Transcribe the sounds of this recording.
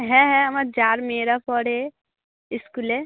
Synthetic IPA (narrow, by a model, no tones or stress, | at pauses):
ɦɛ̃ɦɛ̃əmaɾd͡ʒaːɾmeːɾapɔɽe | ɪskule